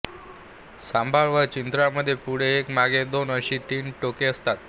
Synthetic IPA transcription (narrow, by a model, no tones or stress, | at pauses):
sambʱaɭʋəɾt͡ɕint̪ɾaməd̪ʱːjepuɽ̤eːkmaɡed̪onəɕiːt̪iːnʈokeəst̪at̪